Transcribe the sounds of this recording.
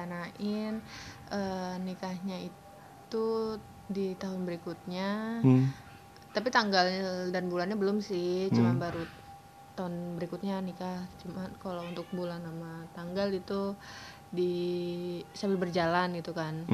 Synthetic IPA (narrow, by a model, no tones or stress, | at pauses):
anaʔɪnʔənikahɲai | tt̪u | dit̪aɦʊnbəɾikut̪̚ɲa | t̪ap̬it̪aŋɡaldanbulanɲabəlʊmsɪt͡ʃumanbaɾu | t̪ːaʊnbəɾikʊt̪̚ɲanikaht͡ʃumankalount̪ʊk̚bulanːamat̪aŋɡalit̪u | di | st̪abɪlbərd͡ʒalanɡit̪ukan